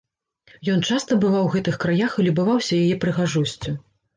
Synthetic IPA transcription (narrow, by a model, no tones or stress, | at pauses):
jɔnt͡ʂast̪ɐbɨvawɣɛt̪ɨxkɾajaxilʲubavawsʲɐjajɛpɾɨɣaʐɔsʲt͡sʲu